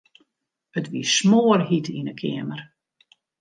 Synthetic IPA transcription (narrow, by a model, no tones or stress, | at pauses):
ətʋismoːrhitʰinəkʰɪəmər